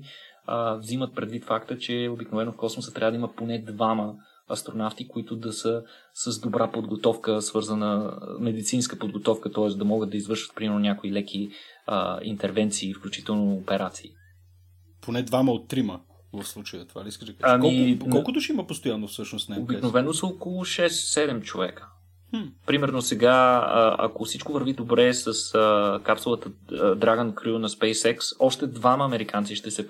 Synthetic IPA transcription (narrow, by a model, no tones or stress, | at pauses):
əvzimət̪̚pɾɛd̪vit̪fakt̪ət͡ʃɛobiknovɛnʊfkɔsmosət̪ɾʲavəd̪ɐiməponɛd̪vamə | ɐst̪ɾonaft̪ikoit̪ʊd̪ɐsə | səzd̪obɾʔapod̪ɡot̪ɔfkəsvɤɾzənəmɛd̪it̪sinskəpod̪ɡot̪ɔfkət̪ɔɛsd̪ɐmɔɡəd̪ːɐizvɤɾʃvət̪pɾimɛɾnʊnʲakoilɛk̟ʰiə̰ḭnt̪ɛɾvɛnt̪siːfklʲut͡ʃit̪ɛlˠnoːpɛɾat̪siː | pʰonɛd̪vaməot̪ːɾimə | vɐfslˠut͡ʃəjət̪ova̰liskəʒd̪ɐkaamkɔlikɔlˠkʊt̪ʊʃimɐpost̪ojanːofsɤʃnosnɛobiknovɛnosəokolˠʊʃɛssɛd̪ɛmt͡ʃovɛkə̥ | pɾimɛɾnosɛɡaə̰ɐ̰kofsit͡ʃkovəɾvid̪obɾɛsəsəkapsulˠət̪əd̪ɾaɡənkɾunɐspɛjsɛksɔʃt̪ɛd̪vaməːmɛɾikant̪siʃt̪ɛsɛ